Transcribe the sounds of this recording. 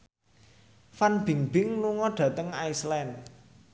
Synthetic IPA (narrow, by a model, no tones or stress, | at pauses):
fanb̥i̤ŋb̥ɪŋluŋɔɖ̥ä̤t̪əŋaislɛn